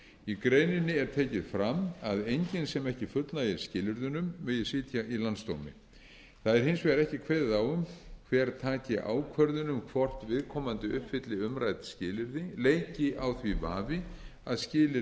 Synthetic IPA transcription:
ikɾeːjnɪnːɪɛɾ̥t̪ʰeːjcɪðfɾamaðejɲcɪnsɛmɛhcɪfʏt̪lnaɪɾ̥scɪːlʏɾðʏnʏmːɛjɪsɪːt̪ʰjaʔilanst̪owmɪ̰ | θaðɛɾ̥hɪnsvɛɾɛhcɪkʰvɛːððawʏmkʰvɛɾt̪ʰaːcɪʔa̰ːwkʰvœɾðʏnʏmkʰvɔr̥t̪vɪðkʰɔːmant̪ɪʏhpfɪt̪lɪʏmɾajt̪scɪːlɪɾðɪlejcɪawθvivaːvɪaðscɪːlɪ

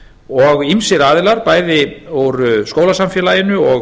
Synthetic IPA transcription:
ɔɣimsɪɾaːðɪlaɾpaːjðɪowɾskoːwlasamfjɛːlajɪnʏɔ

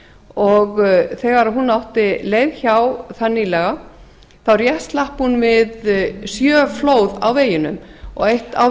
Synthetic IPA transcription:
ɔɣθɛːɣaɾaɦunːawht̪ɪleːjðçawθanːilɛɣa | θawɾjɛhst̪lahphunvɪðsjœːfloːwða̰wveːjɪnʏ̰mɔ̰ɣejht̪a̰w

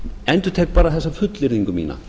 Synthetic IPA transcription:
ɛnt̪ʏɾt̪ʰeːk̚paːɾaθɛsːafʏt̪lɪɾðiŋkʏmḭːna̰

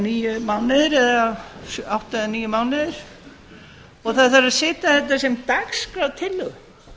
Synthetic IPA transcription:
niːjʏmaːwnɪðɪɾɛðasawht̪aðɪniːjʏmaːwnɪðɪɾ̥ | ɔɣθaðθaɾaðsɪːt̪aθɛht̪ːasɛmt̪akskɾawt̪ʰɪlːʏɣ

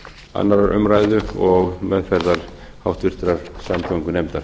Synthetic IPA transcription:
a̰nːaɾaɾʔʏ̰mɾaːjðʏɔɣmɛðfɛɾðaɾ̥ | hawht̪vɪr̥t̪ɾaɾ̥samt̪ʰœwŋkʏnɛmt̪aɾ̥

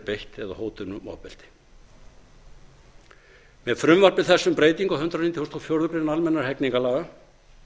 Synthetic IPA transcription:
pejht̪ɛðahoːwt̪ʏnʏmɔ̰ːpɛl̥t̪ɪ̥ | mɛðfɾʏmvaɾ̥pɪðθɛsːʏmpɾeːjt̪iŋkahʏnt̪ɾanit̪jahowst̪ʰɔfjowɾðʏpɾenaalmɛnːaɾ̥ɦɛkniŋkalaːɣa

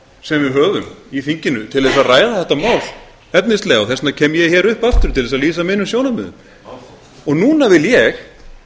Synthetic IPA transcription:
sɛmvɪðɦœːɣʏmiθiɲcɪnʏt̪ʰɪlðɛsaraːjðaθɛht̪amaːwl | ɛt̪nɪst̪lɛːɣaθɛsnacʰɛːmjɛçɛɾʏhpaft̪ʏɾ̥t̪ʰɪlðɛsaðliːsamɪnʏmsjownamʏ̰ːðʏ̰m | ɔɣnuːnavɪljɛx

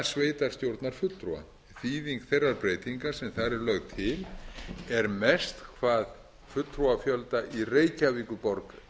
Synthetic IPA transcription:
sveːjt̪aɾ̥st̪jowɾt̪naɾ̥fʏt̪t̪ːɾua̰ | θiːðiŋkθejrːaɾpɾeːjt̪iŋkḁsɛmθaɾɛɾlœɣt̪ʰɪlɛɾmɛst̪kʰvaːð | fʏt̪ːɾuafjœlt̪aʔireːjcaviːkʏpɔɾk

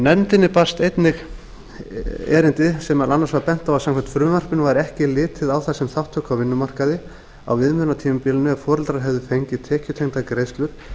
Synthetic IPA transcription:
nɛmt̪ɪnːɪpḁst̪ejt̪nɪɣ | ɛ̰ːɾɪnt̪ɪsɛmaɾʔanːaɾsvaɾpɛn̥t̪awvasamkʰvɛn̥t̪fɾʏːmar̥pɪnvaɾɛhcɪlɪːt̪ʰɪðawθasɛmθawht̪ʰːœːkawvɪnːʏmar̥kaðɪ | a̰wvɪðmʏnat̪ʰiːmɪpɪːlɪnːʏaɾfɔːɾɛlt̪ɾaɾɦɛvðʏfejɲcɪt̪ʰɛːhcʏt̪ʰehnt̪akɾejst̪lʏɾ̥

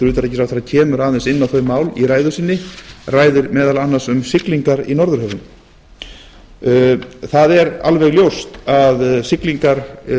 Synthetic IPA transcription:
ɾʏːt̪aɾɛcːɪsawθeɾacʰɛːmʏɾaːðɛnsɪnːawθœɥmːaːwlḭɾaːjðʏsɪnːɪraːjðʏɾmɛːðalanːasʏmsɪkliŋkaɾḭnɔɾðʏɾ̥hœvʏm | θaðɛɾa̰lvɛɣljowst̪aðsɪkliŋkaɾ̥

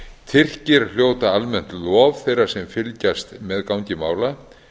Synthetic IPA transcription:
t̪ʰɪr̥cɪɾ̥l̥joːwt̪aalmɛn̥t̪lɔvθejrḁsɛmfɪlcast̪mɛðkawɲcɪmaːwla

